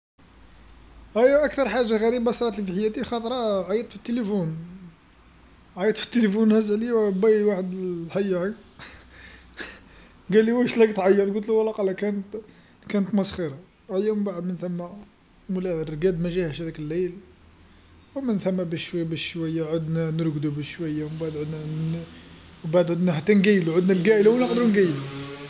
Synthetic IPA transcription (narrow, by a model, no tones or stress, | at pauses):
æjæʔæk̚t̪ɑɾˤħaʒːaɣæɾibasɾˤɑt̪əlfiħəjːæt̪ixɑt̪ˤɾˤɑʕajət̪fit̪ːelifun | ʕajət̪ˤfi̥t̪ːelifunhæzlibæjwaħəd̪ħæjːæʕi | ɡæliwæʃlæɡt̪ʕɑjːət̪ɡʊlt̪luwəlːæqɑlːækænət̪ | kænət̪mɑsˤxiɾɑ | ʕljæmbaʕəd̪mənθæmːæ | mlærˤɡæd̪mæʒæhæʃhæd̪ækəlːejl | wmənθæmːæbæʃwbæʃʃwæjːaʕod̪nænəɾɡd̪ubəʃwæjːawbaʕəd̪ʕod̪næ | wbaʕd̪ʕʊd̪næhæt̪ːænɡæjluʕʊd̪nælɡæʔəlawnɑqd̪ɾunɡæjlu